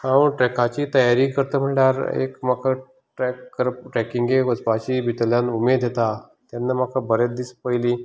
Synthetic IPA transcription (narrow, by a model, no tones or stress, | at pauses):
ãəɳʈɾɛkat͡ɕiːt̪əjaɾiːkəɾt̪əm̤əɳlaɾḛkmakʰa | ʈɾɛkːəɾpʈɾɛkiŋɡeʋəd͡zpat͡ɕiːbʱit̪əljãnumed̪ʱet̪a | t̪janːamakʰabəɾet̪̚d̪ispəjli